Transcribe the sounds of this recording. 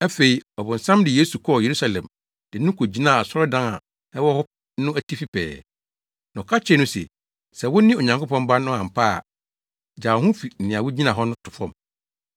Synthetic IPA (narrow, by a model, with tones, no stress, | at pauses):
æ˦fe˨i˨ɔ˨bʊ̃˨n̩˨sã˦mdɪ˨je˦su˨kʰɔ˦˨je˨ɾu˦sa˦lɛ̰̃˨m | d̥ɪ˨nʊ̃˦kʰo˨d͡ʑi˦nã˦˨a˨sɔ˦ɾɔ˦dã˦na̰˨ | nɛ̃˦wɔ˦hɔ˦ | nʊ̃˦æ˦tʰi˦fi˦pʰɛ̰ː˨ | nã˨kʰa˦t͡ɕᶣɛ˦nʊ̃˦sɛ̰˨ | sɛ˨wʊ˦nɪ̃˦˨o˨ɲã˨ŋko˦pɔ̃˦mba˦nʊ̃˦ã˨m̩˨pa̰˦˨ | d͡ʑaː˨hʊ̃˦fi˨n̩˨nɪ̃˨a˨wʊ˦d͡ʑi˦nã˨ɦɔ˦nʊ̃˦tʰʊ˨fɔ̰̃˦˨m